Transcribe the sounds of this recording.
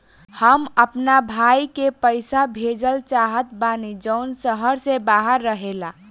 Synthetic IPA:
həməpnabʱajkepəɪsabʱed͡ʒəlt͡ʃaɦət̪banid͡ʒəʊnsəɦəɾsebaɦəɾːəɦela

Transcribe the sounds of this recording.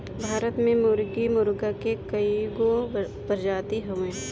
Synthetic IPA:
bʱaːɾət̪mẽmʊɾɡimʊɾɡakekɐiɡo | bɐɾd͡ʒaːt̪iɦɐʋẽː

